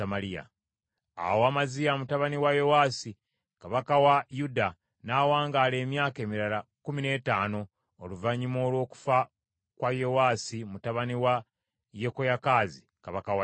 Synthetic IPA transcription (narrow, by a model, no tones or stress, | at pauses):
amalija̰ | a̰waːmazijamutaβaniwajewaːsi | kaβakawajuda | naːwaːŋɡaːle̞ːmjaːke̞ːmiɾalakumine̞ːtaːno̞ː | luvaɲimo̞ːlwo̞ːku̥fa | kwajewaːsimutaβaniwa | jekojakaːzi | kaβakawa